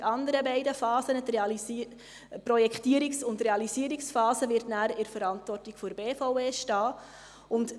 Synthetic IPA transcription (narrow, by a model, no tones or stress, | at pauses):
ɑnd̪əɾəbɛɪdəfɑːsənteɑ | pɾɔjɛkχtiəɾiksʊndreɑliziəɾiksfɑːsəvɪɾtnæːɾɪɾfəɾɑntvɔrtiɡ̥fʊɾbeːfaʊveːʃtɑː | ʊnd